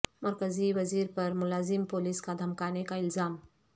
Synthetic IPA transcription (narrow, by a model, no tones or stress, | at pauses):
mɐɾkəziʋɐziːɾpəɾmʊlaːzimpoliskad̪ʱɐmkanekaɪlzaːm